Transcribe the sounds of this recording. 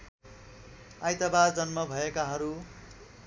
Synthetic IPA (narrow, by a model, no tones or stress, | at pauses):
ajt̪ʌbard͡zʌnmʌbʱʌekaɦʌɾu